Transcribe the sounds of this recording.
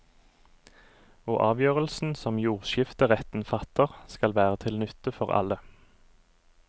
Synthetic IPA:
oːʔɑːʋjøːʁəlsn̩sɔmjuːʁʃɪft̪əʁɛt̪n̩fɑt̪əʁskɑlʋæːʁət̪ʰɪlnʉt̪əfɔʁɑ̰lə

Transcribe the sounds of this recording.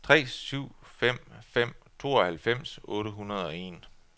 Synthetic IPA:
t͡sʰʁɛ̰ːsyʊ̰fem̰fem̰t͡sʰo̝̰ːɒ̽hælfem̰sɔ̽ːɾəɦunɐð̞ˠɒ̽e̝̰ːn

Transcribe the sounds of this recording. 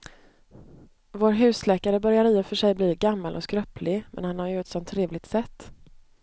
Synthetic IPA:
voːɾɦʉ̟ːslɛːkaɾəbœɾjaɾɪːəfœʂɛjbliːɡamːalʔɔ̰skɾœplɪmʔɛ̰nhanhaɾjɵɛt̪sɔnt̪ʰːɾeːvlɪɡ̚t̪sɛt̪ː

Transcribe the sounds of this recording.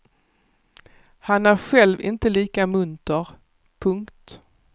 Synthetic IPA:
hanæɾɧɛlvɪ̰nt̪əliːkamɵnt̪əɾ | pʰɵŋkt̪

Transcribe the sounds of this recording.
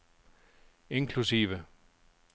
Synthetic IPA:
eŋkʰlusḭːʋə

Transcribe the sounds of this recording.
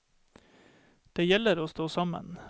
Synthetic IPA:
d̪̥eːjɛləɾoːst̪oːsɑmə̰n

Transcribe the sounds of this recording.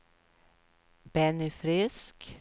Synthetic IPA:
bɛnɪfɾɪsk

